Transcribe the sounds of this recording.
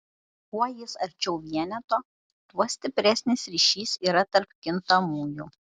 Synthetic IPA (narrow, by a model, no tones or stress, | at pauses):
kuɔjɪsɐɾʲt͡ʃʲɛʊʋʲiɛnʲɛt̪oː | t̪uɔsʲt̪ʲɪpʲɾʲɛsʲnʲesɾʲiːˑʃʲiːsiːɾɐt̪ɐɾpkʲɪnt̪ɐmuːjuː